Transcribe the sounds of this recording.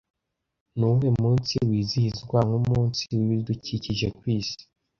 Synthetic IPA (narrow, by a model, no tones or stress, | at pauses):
nuhemuːnsiwiːzihizɡwaŋumuːnsiwiβiɾiduciciʒe̞kwiːsi̥